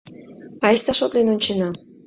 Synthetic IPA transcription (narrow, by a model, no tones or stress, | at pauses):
ɑjʃt̪ɑʃot̪lenonʲt͡ɕenɑ